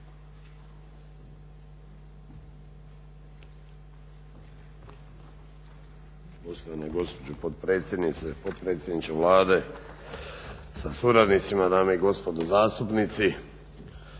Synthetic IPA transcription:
post̪oʋanaɡo̞spod͡ʑupod̪pɾe̞ːt̪sʲjed̪nit̪sepot̪̚pɾeːt̪sje̞d̪nit͡ʃeʋlaːd̪e̞ | sasuɾad̪nit̪simad̪aːmeiɡo̞spo̞d̪ozaːst̪upnit̪si

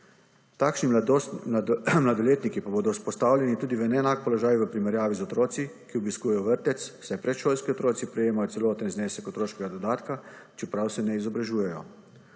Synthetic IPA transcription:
t̪aːkʃni | mlad̪ɔljeːt̪nikipaboːd̪ɔuspɔst̪aːwlʲjɛnit̪uːd̪iʋəɛnɛnaːk̚pɔlɔʒaːjʋəpɾimɛɾjaːʋizɔt̪ɾoːt̪sikiɔbiskuːjɛjɔʋəɾt̪ɛt̪ssajpɾɛt̪ʃoːlskiɔt̪ɾoːt̪sipɾɛjeːmajɔt̪sɛloːt̪ənzneːsɛkɔt̪ɾoːʃkɛɡad̪ɔd̪aːt̪kat͡ʃɛpɾawsɛnɛizɔbɾaʒuːjɛjɔ

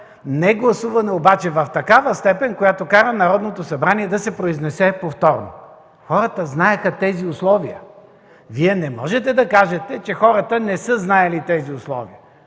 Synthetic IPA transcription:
nɛɡlˠɐsuvɐnɛobat͡ʃɛvɐft̪ɐkavəst̪ɛpɛnʲkojat̪okaɾənɐɾɔd̪not̪osɐbɾaniɛd̪ɐsɛpɾoiznɛsɛpoft̪ɔɾno̰ | xɔɾət̪əznaɛxɐt̪ɛziʊslˠɔviə̰ | viɛnɛmɔʒɛt̪ɛd̪ɐkaʒɛt̪ɛt͡ʃɛxɔɾɐt̪ənɛsɤznaɛlit̪ɛziʊslˠɔ̰viə

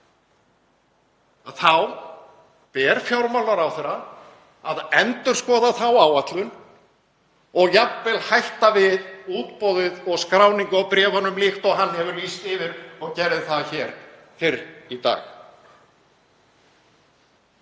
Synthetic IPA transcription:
aθaw | pɛːɾfjawɾmawlaɾawθɛɾa | aðɛnt̪ʏɾ̥skɔːðaθawaːwat̪lʏn | ɔɣjapvɛlhajht̪avɪðuːt̪pɔwðɪðɔɣskɾaːwniŋkawpɾɛːvɔnːʏmlɪxt̪ɔɣɦanhɛvʏɾliːst̪ɪvɪɾɔɣcɛɾɪðθaðçɛːɾ | fɪɾit̪a̰ːx

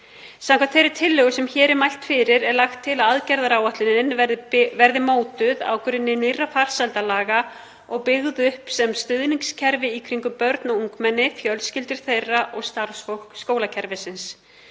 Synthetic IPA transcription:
sãmkʰvat̪fejɾɪɾ̥t̪ʰɪlːœɣʏsɛmçɛːɾɛɾmajl̥t̪fɪɾɪɾɛɾlaxt̪ʰːɪlaðaðcɛɾðaɾaːwaht̪lɪnɪnvɛɾðɪmoːwt̪ʏða̰ːwkʏɾɪnːɪnirafar̥sajlt̪alaːɣa | ɔɣpɪɣðʏʏhpsɛmst̪ʏðniŋkscʰɛɾvɪikʰɾiŋkʏpœɾt̪nauŋkmɛnːɪfjœlscɪlt̪ɪɾ̥θejraʔɔɣst̪aɾ̥sfowhkskoːwlacʰɛɾvɪsɪns

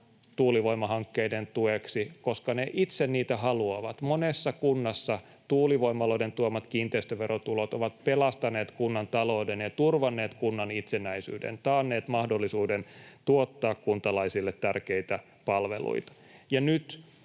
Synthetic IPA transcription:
t̪uːliʋoimɑɦɑŋkːeident̪ueksikoskɑneʔit̪senniːt̪æhɑluɑʋɑt̪monesːɑkunːɑsːɑ | t̪uːliʋo̞imɑloident̪uomːɑt̪kiːnt̪eist̪øʋerot̪ulot̪oʋɑt̪pelɑst̪ɑneːt̪kunːɑnt̪ɑloːdenjɑt̪urʋɑnːeːt̪kunːɑnit̪senæisy̰ːdḛnt̪ɑːnːeːt̪mɑhdolːisuːdent̪uot̪ːɑːkkunt̪ɑlɑisilːet̪tærkeit̪æ | pɑlʋḛlṵit̪ɑ̥ | jɑnyt̪

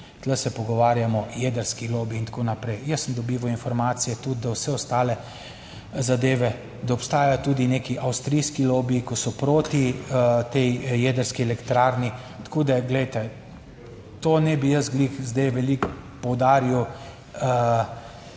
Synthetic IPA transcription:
t̪ləsɛpɔɡɔʋaːɾjamɔjed̪əɾskiloːbiːnt̪akoːnapɾɛjjəsːəmd̪ɔbiːʋɔinfɔɾmaːt̪sijɛt̪ud̪̚d̪awsɛɔst̪aːlɛ | zad̪eːʋɛ | d̪aɔpst̪aːjajt̪uːd̪ineːkiʔɐwst̪ɾijskiloːbiːkɔsɔpɾoːt̪it̪ejjed̪əɾskiɛlɛkt̪ɾaɾni | t̪koːd̪ɛɡlɛjt̪ɛ | t̪oːnɛbijəzɡlixzd̪ɛjʋɛlikpɔwd̪aːɾiw | ə

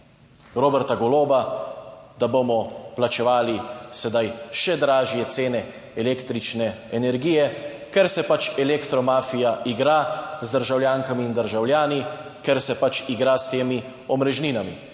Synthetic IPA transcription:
ɾoːbɛɾt̪aɡɔloːba | d̪abomɔplat͡ʃɛʋaːlisɛd̪ajʃɛd̪ɾaːʒjɛt̪seːnɛ | ɛleːkt̪ɾit͡ʃnɛɛnɛɾɡiːjɛ | kɛɾsɛpat͡ʃɛlekt̪ɾɔmaːfijaʔiɡɾazd̪əɾʒawljaːŋkamiːnd̪əɾʒawljaːnikɛɾsɛpat͡ʃiɡɾast̪eːmi | ɔmɾɛʒniːnamḭ

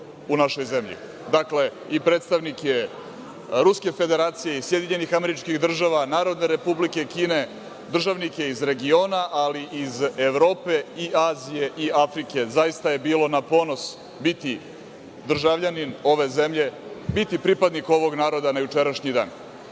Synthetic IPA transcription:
unaʃo̞jze̞mʎḭ | d̪akle̞ | ipɾe̞ːt̪st̪aʋnikje | ɾuske̞fe̞d̪e̞ɾaːt̪sije̞isje̞d̪iɲe̞nixame̞ɾit͡ʃkiɣd̪r̩ʒaʋanaːɾo̞d̪neɾe̞publike̞kiːne̞ | d̪r̩ʒaʋnikje̞izɾe̞ɡio̞ːnaʔaliʔizeʋɾo̞ːpe̞iʔaːzije̞ʔiafɾike̞zajist̪aje̞biːlo̞napo̞no̞s | bit̪i | d̪r̩ʒaʋʎanino̞ʋe̞ze̞mʎe̞bit̪ipɾipad̪niko̞ʋo̞ɡnaːɾo̞d̪anajut͡ʂe̞ɾaʃɲid̪a̰ːn

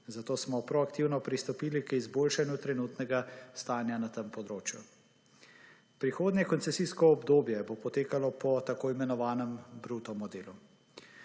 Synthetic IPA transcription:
zat̪oːsmɔpɾɔakt̪iwnɔpɾist̪ɔpiːlikizboːlʃanjut̪ɾɛnuːt̪nɛɡast̪aːnjanat̪əmpɔd̪ɾoːt͡ʃju | pɾixoːd̪njɛkɔnsɛsiːskɔːbd̪oːbjɛbopɔt̪eːkalɔpɔt̪akoːimɛnɔʋaːnɛmbɾut̪ɔmɔd̪eːlu

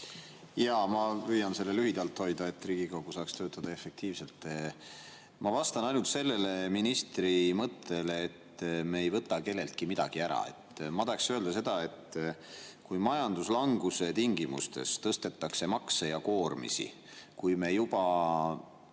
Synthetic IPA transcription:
jɑmɑpyjɑnse̞lːe̞lyɦid̪̥ɑlt̪ho̞jd̪ɑe̞t̪ːriːɡ̥iko̞ɡ̥usɑːkst̪øːt̪ˑːɑd̪̥ɑe̞fe̞k̚t̪iːvse̞lt̪ˑːe | mɑvɑst̪ɑnɑjnult̪se̞lːe̞le̞minist̪rimɤt̪ːˑe̞leːt̪ːmeːjvɤt̪ːˑɑke̞lːe̞lt̪̚kimid̪ɑɡ̥iæɾɑ̰ḛt̪ːmɑt̪ɑeksøe̞ld̪ɑse̞d̪̥ɑe̞t̪ː | kujmɑjɑnd̪uslɑŋɡ̥use̞t̪iŋɡimṵst̪e̞̰st̪ɤst̪e̞t̪ːɑkse̞mɑksejɑko̞ːrmḭsḭ | kujme̞jub̥ɑ

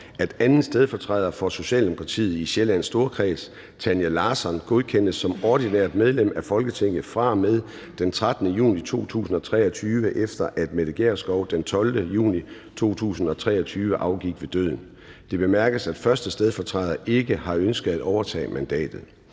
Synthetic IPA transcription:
æd̥ænn̩ˠsd̥eð̞ˠfɒ̽t͡sʰʁɑð̞ˠɐfɒ̽so̝ɕɛ̰ːld̥emo̝kʰʁɑ̈t͡sʰḭːð̩ˠiɕelæn̰sd̥o̝ːɐkʰʁɛ̰ːs | t͡sʰænjelɑ̈ːsɒnɡ̥o̝ð̞ˠkʰen̰d̥əsːɒ̽mɒːd̥inɛɐ̰d̥með̞ˠlem̰æfɒ̽lɡ̥ət͡sʰeŋ̰ð̩ˠfʁɑ̈með̞ˠ | d̥ent͡sʰʁad̥ənəjṵːnit͡sʰo̝̰ːt͡sʰṵːsn̩ɒ̽t͡sʰʁɛ̰ːɒt͡sʰyːʋəʔefd̥ɐʔæd̥meðˠeɡ̥ḛːɐsɡ̥ɒʊd̥ent͡sʰɒ̽ld̥əjṵːni | t͡sʰo̝̰ːt͡sʰṵːsn̩ɒ̽t͡sʰʁɛ̰ːɐɒt͡sʰyːʋəʔɑ̈ʊɡ̥iɡ̥ʋe̝d̥ø̰ð̰ˠn̩ | d̥e̝b̥e̝mæɐɡ̥əsæd̥fɶɐsd̥əsd̥eð̞ˠfɒ̽t͡sʰʁɛðˠɐʔe̝ɡ̥əhɑ̈ønsɡ̥əð̩ˠæd̥ɒʊɐt͡sʰɛ̰ːmænd̥ɛ̰ːd̥ð̞̩ˠ

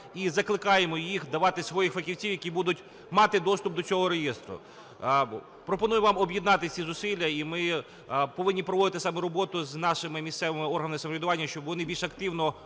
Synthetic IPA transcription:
izɐklˠɪkɑjemɔjixd̪ɐʋɑt̪ɪsʋɔjixfɐkʲiwt͡sʲiwjɐkʲibud̪ʊtʲ | mɑt̪ɪd̪ɔst̪ʊp̚d̪ɔt͡sʲɔɦɔɾejɛst̪ɾʊ̰ | pɾɔpɔnujʊʋɑmɔbʲjɪd̪nɑt̪ɪt͡sʲizʊsʲilʲːɐimɪ | pɔʋɪnʲːipɾɔʋɔd̪ɪt̪ɪsɑmɛɾɔbɔt̪ʊznɑʃɪmɪmʲist̪sɛʋɪmɪɔrɦɐnmɪsɐmɔʋʲɪd̪ʊʋɑnʲːɐʃt͡ʃɔbʋɔnɪbʲilʲʃɐkt̪ɪwnɔ

